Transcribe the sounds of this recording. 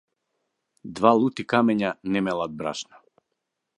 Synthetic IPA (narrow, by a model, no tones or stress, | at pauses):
d̪valˠut̪ikamɛɲanɛmɛlˠad̪̚bɾa̰ʃnɔ